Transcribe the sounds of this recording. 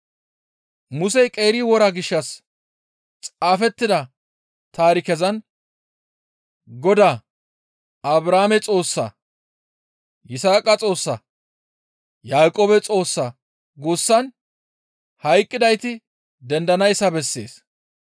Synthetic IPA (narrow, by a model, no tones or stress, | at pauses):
mʊsɛjkʼe̞ːɾɪwɔɾɐɡɪʃːɐs | t͡sʼaːfɛt̪ːɪd̪ɐ | t̪aːɾɪkɛzɐn | ɡɔd̪aː | ɐbɾaːmɛt͡sʼo̞ːsːɐ̰ | jɪsaːkʼɐt͡sʼo̞ːsːɐ | jaːkʼoːbɛt͡sʼo̞ːsːɐ | ɡʊsːɐn | hɐjkʼːɪd̪ɐjt̪ɪ | d̪ɛnd̪ɐnɐjsːɐbɛsːe̞̰ːs